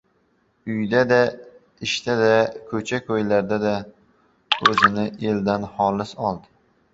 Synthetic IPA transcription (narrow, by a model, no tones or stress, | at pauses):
ʊjd̪ad̪a | ɪʃt̪ad̪akʰɵt͡ʃʰakʰojlaɾd̪ad̪a | ɵzɪnɪʔeld̪anhɒlɪsɒlˠd̪ɪ